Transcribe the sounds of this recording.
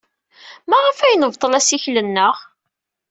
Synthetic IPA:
mæʁəfæjənəvt̪ˤəlæsiçlənːəʁ

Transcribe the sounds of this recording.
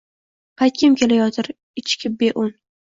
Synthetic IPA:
pʰajt̪̚kʲʰɪmkʲe̞lajɒt̪ʰɪɾ | ɪt͡ʃkʲʰɪbeʔʊn

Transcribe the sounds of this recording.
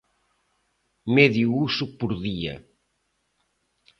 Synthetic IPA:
meðjuusupuɾðiɐ̰

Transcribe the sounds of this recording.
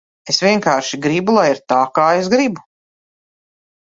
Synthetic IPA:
esvʲiɛŋkaːɾʃiɡɾibulˠajiɾt̪aːkaːesɡɾibu

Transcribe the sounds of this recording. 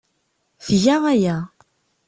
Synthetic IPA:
fjæʁæjæ

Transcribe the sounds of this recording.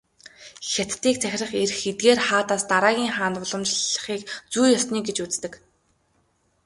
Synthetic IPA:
xʲat̪ːiːk̚t͡sʰæxʲrə̆χerxet̪̚ɡeːrχaːt̪aːst̪aɾaːɣʲiːŋχaːnʊɮə̆mt͡ɕɮə̆χiːkt͡sujɔsniːɡet͡ɕut͡st̪ɘ̆k

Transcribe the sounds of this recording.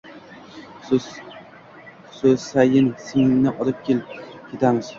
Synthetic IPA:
sɵzsajɪnsiŋɪŋnɪʔɒlɪp̚kʲʰelɪp̚kʲʰe̞t̪ʰaŋɪz̥

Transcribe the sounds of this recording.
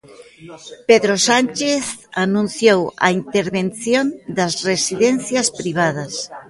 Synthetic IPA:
peðɾosanʲt͡ʃeθanũnθjowɐ̰int̪eɾβenθjond̪ɐsresiðen̟θjɐspɾiβ̞aðɐs

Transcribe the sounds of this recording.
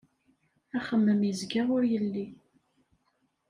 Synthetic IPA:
æχəmːəmjəzɡaʁʊɾjəlːi

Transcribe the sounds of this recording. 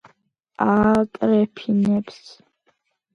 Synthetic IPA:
aːtʼrɛpʰinɛps

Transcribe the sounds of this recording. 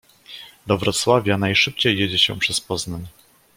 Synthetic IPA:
d̪ɔvɾɔt̪swavʲjanajʂɘp̚t͡ɕejːed͡ʑɛɕɛ̰̃pʂɛspɔznaɲ

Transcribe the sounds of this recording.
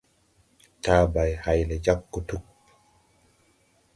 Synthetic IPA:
taːbajhajlɛd͡ʒakːutuk̚

